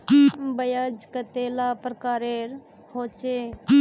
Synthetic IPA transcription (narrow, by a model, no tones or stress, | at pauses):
bəjad͡ʒkət̪eːlaːpɾəkaːɾeːɾ | hoːt͡ʃe